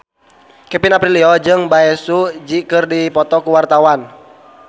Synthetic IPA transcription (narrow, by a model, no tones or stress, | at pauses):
kɛpinapɾiliɔd͡ʒɨŋbaɛsud͡ʒikɨrdipɔt̪ɔkuwart̪awan